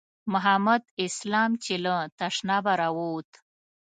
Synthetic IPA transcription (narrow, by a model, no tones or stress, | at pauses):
mʊɦamad̪ɪslɑmt͡ʃelət̪aʂnɑbaɾawot̪